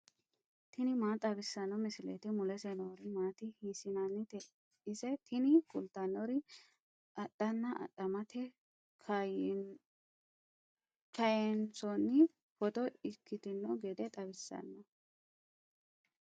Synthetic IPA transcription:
t̪ʰɪnɪmaːt̪ʼɐbɪsːɐnːɔmɪsɪlet̪ɪmʊlɛsɛnoːɾɪmaːt̪ɪhiːsɪnɐnːɪt̪ɛ | ɪsɛt̪ʰɪnɪkʊlt̪ɐnːɔɾɪ | ʔɐt̪ʼːɐnːɐʔɐ̰t̪ʼːɐmɐt̪ɛ | kʰ | kʰɐjɛnsɔnːɪ | fɔt̪ɔɪkːɪt̪ɪnːɔɡɛd̪ɛt̪ʼɐbɪsːɐ̰nːɐ

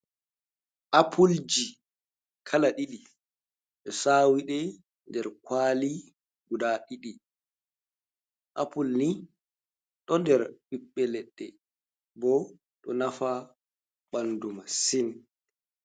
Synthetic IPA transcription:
ʔapʰuld͡ʒi | kʰalaɗiɗi | ɗɛsaːwiɗɛ | ndɛɾkwaːli | ɡudaɗiɗi | ʔapulni | ɗɔndɛɾɓiɓːɛlɛɗːɛ | bɔ | ɗɔnafa | ɓandumasin

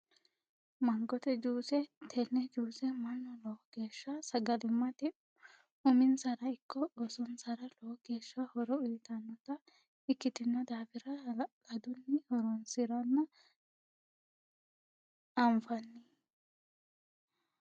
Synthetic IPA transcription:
mɐŋɡɔt̪ɛd͡ʒuːsɛt̪ʰɛnːɛd͡ʒuːsɛmɐnːɔlɔːɡe̞ːʃːɐsɐɡɐlɪmːɐt̪ɪ | ʊmɪnsɐɾɐɪkːɔosɔnsɐɾɐlɔːɡe̞ːʃːɐhɔɾɔʊjɪt̪ɐnːɔt̪ɐ | ɪkːɪt̪ɪnːɔd̪aːfɪɾɐkɐd̪ʊnːɪhɔɾɔnsɪɾɔnːɐ | ɐmfɐnːɪ

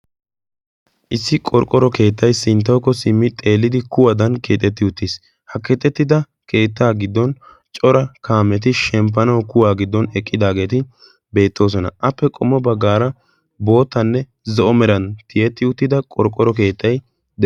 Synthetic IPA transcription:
ʔɪsːɪkʼɔɾkʼɔɾɔke̞ːt̪ːɐjsɪnt̪ːɐwkːɔsɪmːɪt̪ʼe̞ːlːɪd̪ɪkʊwɐd̪ɐnkeːt̪ʼːɛt̪ːɪʊt̪ːis | hɐkɛt̪ːɛt̪ːɪd̪ɐ | kʰe̞ːt̪ːaːɡɪd̪ːɔn | t͡ʃʼɔɾɐkaːmːɛt̪̬ɪʃɛmp̬ːɐnɐwkʊwaːɡɪd̪ːɔnɛkʼːɪd̪aːɡe̞ːt̪ɪ | be̞ːt̪ːo̞ːs̬ɔnɐ̰ʔɐpːɛkʼɔmːɔbɐɡːaːɾɐ | bo̞ːt̪ːɐnːɛ | zɔʔɔmɛɾɐnt̪ɪjɛt̪ːɪʊt̪ːɪd̪ɐkʼɔɾkʼːɔɾɔke̞ːt̪ːɐj | d̪

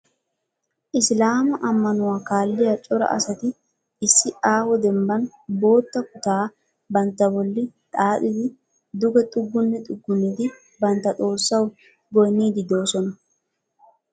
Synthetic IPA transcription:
ʔɪslaːmɐʔɐmːɐnʊwakaːlːɪjɐt͡ʃʼɔɾɐ̰ʔɐ̰sɐt̪ɪ | ɪsːɪʔaːhɔd̪ɛmbɐn | bo̞ːt̪ːɐkʊt̪aː | bɐnt̪ːɐbɔlːɪt̪ʼaːt̪ɪd̪ɪ | d̪ʊɡɛt̪ʼʊɡːʊnːɛt̪ʼʊɡːʊnːɪd̪ɪ | bɐnt̪ːɐt̪ʼo̞ːɾsːɐw | bɔjniːd̪ɪd̪o̞ːsɔnɐ

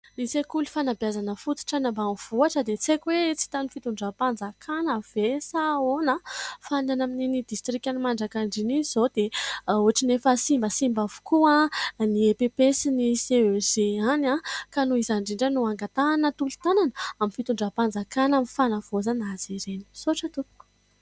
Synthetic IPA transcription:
nisekulifanabjazanəfut̪u̥ʈ͡ʂanambanv̥uaʈ͡ʂəd̪et͡sekʲwet͡si̥t̪anifit̪uɳɖ͡ʐapand͡zakʰanəv̥esaonəfananamininid̪ist̪rikʲanimaɳɖ͡ʐakaɳɖ͡ʐiniiz̥od̪euaʈ͡ʂinefəsimbəsimbavu̥kuaniepepesiniseez̥eanakanuizaɳɖ͡ʐiɳɖ͡ʐanuaŋɡat̪aːnət̪ult̪ananəaminfit̪uɳɖ͡ʐapand͡zakanamifanəv̥ozanaz̥iɾeni̥soaʈ͡ʂət̪upu̥ku̥

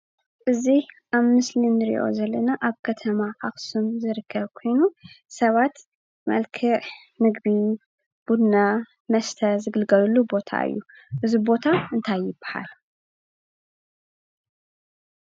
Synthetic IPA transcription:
ʔɨziʔaβmɨslinɨɾḭʔo̞̰zɐlːɐnaʔaβkʰɐt̪ʰɐmaʔaxsumzɨɾɨkʰːɐβkʰo̞jnusɐβat̪ | mɐ̰lkʰɨʕ | nɨɡbi | b̥ud̪na | mɐst̪ʰɐzɨɡɨlɡɐlulːubo̞t̪ʰa̰ʔɨ̰jːu | ʔɨzibo̞t̪ʰaɨnt̪ʰajːɪb̥ːḁha̰l

